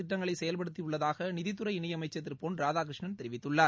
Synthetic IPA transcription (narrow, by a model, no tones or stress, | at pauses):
ɪʈːɐŋɡɐɭɐɪsɛjɐlpɐɽɯt̪̬ːiʊɭːɐðaːɣɐnɪðɪt̪ːɯɾɐɪɪnɐjɐmɐɪt͡ʃːɐt̪ːɪrpoːnɾaːðaːk̬ɾɪʂɳɐnt̪ɛɾɪʋɪt̪ːɯɭːaːɾ